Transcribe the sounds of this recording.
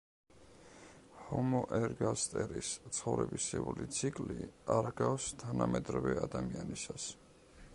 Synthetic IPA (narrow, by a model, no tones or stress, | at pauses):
hɔmɔʔɛɾɡast̪ʼɛɾist̪sʰχɔvɾɛbisɛulit̪sʰikʼliaɾɡafst̪ʰanamɛd̪ɾavɛad̪amianisas